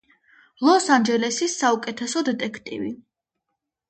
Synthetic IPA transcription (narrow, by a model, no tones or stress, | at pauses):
lˠɔsand͡ʒɛlɛsisːaukʼɛt̪ʰɛsɔd̪ɛt̪ʼɛkʰt̪ʼḭvi